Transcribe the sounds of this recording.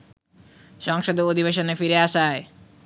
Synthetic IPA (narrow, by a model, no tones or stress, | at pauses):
ʃɔŋʃod̪ood̪ʱibeʃonefiɾeaʃae